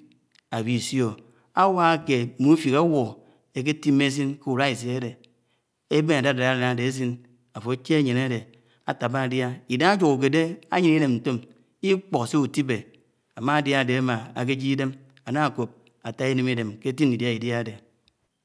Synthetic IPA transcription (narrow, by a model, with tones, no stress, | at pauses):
a˨bi˨sjo˨ | a˦wa˦ke˨mu˦fi˨ka˦wo˨ | e˨k̬e˦ti˦me˦s̬i˦nke˦u˨ɾa˦i˨s̬i˨e˦de˨ | e˦be˦na˨da˦˨da˨a˦a˨a˨˦a˨de˨e˦s̬i˦n | a˨fo˨e˦t͡ʃe˦a˦ɲe˨na˦de˨ | a˨ta˨ba˦a˨dja˦i˨da˦ŋa˦d͡ʒu˨ku˨k̬e˨de˦a̰˦ɲi˨ni˦ne˨mn̩˨to˦m | i˦k͡po˨kse˦u˨ti˦be˨ | a˨ma˦a˨dja˦˨de˨a˦ma˨a˨k̬e˦d͡ʒi˦i˦de˦m | a˨na˦a˨ko˨p̚ | a˨ta˦i˦ne˨mi˦de˨mke˦ti˦ni˨dja˦i˨dja˦de˨